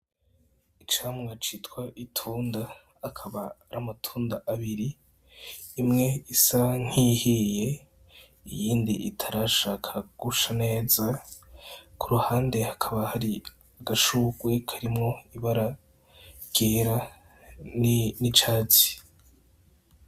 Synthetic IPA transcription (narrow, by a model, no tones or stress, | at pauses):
it͡ʃaːmŋat͡ʃitwaʔitʰuːnda | hakʰaβaɾamatʰuːndaʔaβiɾiː | mŋe̞isaŋ̥hihije̞ | ijiːndḭʔḭtʰaɾaʃaːkʰaɡ̥uʃane̞ːza | kʰuɾuhaːnde̞hakʰaβahaɾi | aɡaʃuɡwe̞kʰaɾimŋo̞iβaɾa | ɡ̥eːɾa | nnit͡ʃaːt͡si̥